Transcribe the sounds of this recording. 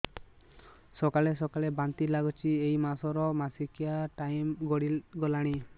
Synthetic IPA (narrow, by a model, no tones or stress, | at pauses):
sɔkalesɔkalebant̪ilaɡɔt͡ʃʰiejmasɔɾɔmasikiaʈajmɡɔɽilɡɔlaɽ̃i